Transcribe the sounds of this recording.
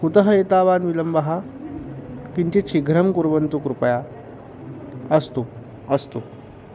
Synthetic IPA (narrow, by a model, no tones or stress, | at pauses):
kut̪əɦɐet̪aːʋaːnʋiləmbɐɦa | kint̪it͡ɕʰiɡʱɾɐmkuɾʋənt̪ukɾupɐja | əst̪u | əst̪u